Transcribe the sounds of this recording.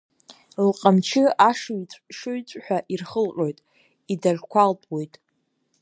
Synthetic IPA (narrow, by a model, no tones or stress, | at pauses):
lqʼamt͡ʃʰɪaʂɥʷʼʂɨɥt͡sʷʼħʷᶣaʔirχəlqʲʼo̞jtʼ | idaʒkʷʰalpʼwo̞jtʼ